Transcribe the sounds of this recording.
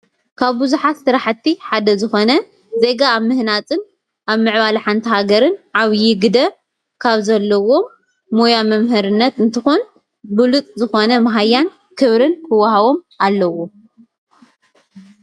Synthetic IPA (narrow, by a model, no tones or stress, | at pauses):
kʰaβbuzuħat̪sɨɾaħɨt̪ʰːiħad̪ɐzɨxo̞nɐ | ze̞ɡaːβmɨhnat͡sʼɨn | ʔaβmɨʕβalħant̪ʰihaɡɐɾɨnʕaβjiɡɨd̪ɐ | kʰaβzɐlːɐwo̞mː | ojamɐmɦɨɾɨnːɐt̪ɨnt̪ʰɨxun | bɨlut̪ʼzɨxo̞nɐmɐɦajːan | kʰɨβɾɨnkʰɨwaɦaβo̞mʔalːɐwo